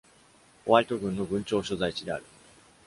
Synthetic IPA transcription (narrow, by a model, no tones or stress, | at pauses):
o̞βaɾʲit̪o̞ɡɯ̟̃nːo̞ɡɯ̟̃ɲ̟t͡ɕo̞ːɕozait͡ɕid̪e̞a̰ɾɯ̟